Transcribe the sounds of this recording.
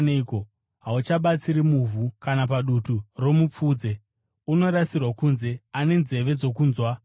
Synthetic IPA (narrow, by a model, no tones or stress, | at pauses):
neiko̞ | ɦaut͡ʃaɓat͡siɾimuvʱukanap̬aɗuturo̞mup͡fuːd͡ze̞ | uno̞ɾasirwakunze̞ane̞nze̞ʋe̞d͡zo̞kuːnzwa